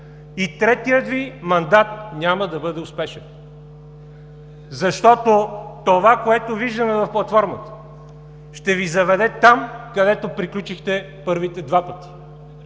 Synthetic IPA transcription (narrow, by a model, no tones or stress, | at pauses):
it̪ɾɛt̪ijət̪vimɐnd̪at̪̚nʲaməd̪ɐbɤd̪ɛʊspɛʃɛn | zɐʃt̪ɔt̪ot̪ovakoɛt̪oviʒd̪əmɛvɐfplˠɐt̪fɔɾmət̪ə̥ | ʃt̪ɛvizɐvɛd̪ɛt̪amkɐd̪ɛt̪opɾiklʲut͡ʃixt̪ɛ | pɤɾvit̪ɛd̪vapət̪i̥